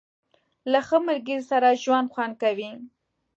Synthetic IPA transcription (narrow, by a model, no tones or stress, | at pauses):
laxəməɾɡizsaɾaʒwand̪xwand̪̚kawi